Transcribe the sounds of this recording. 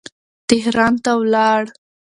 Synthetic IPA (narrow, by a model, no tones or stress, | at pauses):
t̪ɪɦɾɑnt̪awlɑɽ